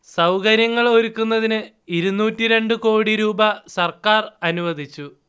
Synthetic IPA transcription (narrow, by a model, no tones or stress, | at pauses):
sɐwkɐɾjɐŋːɐɭo̞ɾukːunːɐðinɨ | iɾunːuːtːiɾe̞ɳɖɨko̞ːɽiɾuːbɐsɐrkaːrɐnuʋɐd̪ʱit͡ɕːu